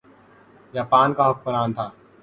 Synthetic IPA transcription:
jaːpaːnkaɦʊk̚bənaːnt̪ʰaː

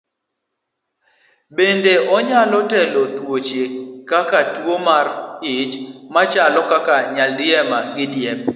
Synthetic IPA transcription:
bendeʔɔɲalɔtɛlotwot͡ʃekakatwomarɪt͡ʃmat͡ʃalɔkakaɲaldɪɛmaɡɪdjɛp̚

